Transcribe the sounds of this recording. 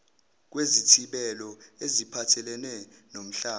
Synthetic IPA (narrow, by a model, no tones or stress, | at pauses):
k̬wezitʰiɓɛlɔezipʰatʰɛlɛnɛnom̩ɬaː